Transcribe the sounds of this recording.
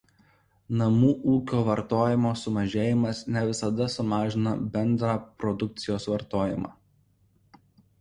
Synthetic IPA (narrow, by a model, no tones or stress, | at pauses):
nɐmuːʔuːkʲoːʋɐɾt̪oːjɪmoːsʊmɐʒʲeːjɪmɐsnʲɛʋʲɪsɐd̪ɐsʊmɑːʒʲɪnɐbʲɛnˑd̪ɾɑːpɾɔd̪ʊk̚t̪sʲɪjoːsʋɐɾt̪oːjɪmɑ̰ː